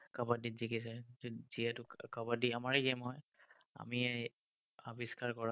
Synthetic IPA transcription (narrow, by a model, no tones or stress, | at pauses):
kabadizikisɛziɛtʊkabadiamaɹɡemɦɔj | a̰miɛ | abiskaɹkɔɹa